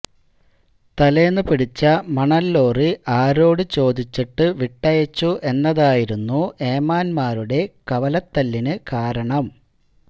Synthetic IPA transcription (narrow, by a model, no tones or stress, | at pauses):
t̪ɐleːnːɨpiɽit͡ɕːɐmɐɳɐlːo̞ːriʔaːɾo̞ːɽɨt͡ɕo̞ːd̪it͡ɕːiʈːɨʋiʈːɐjɐt͡ɕːuʔe̞nːɐðaːjiɾunːueːmaːnmaːɾuɽe̞kɐʋɐlɐt̪ːɐlːinɨkaːɾɐɳɐm